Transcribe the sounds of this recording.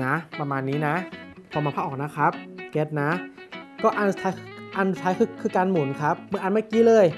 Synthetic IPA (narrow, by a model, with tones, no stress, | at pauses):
na˦˥pɾa˧maː˧nːiː˦˥na˦˥kʰɔː˧˩maː˧pʰaː˦˥˩ʔɔː˨˩k̚na˦˥kʰa˦˥p̚ke˦˥t̪̚na˦˥ | kɔː˥˩ʔa˧nt̪ʰa˧˦˥jʔa˧n˧t̪ʰaː˦˥jkʰɯː˧kʰɯː˧kaː˧nmu˨˩˦nkʰa˦˥p̚mɯ˧˩˦ʔa˧nmaː˥˩kiː˧˥lɤː˧˩j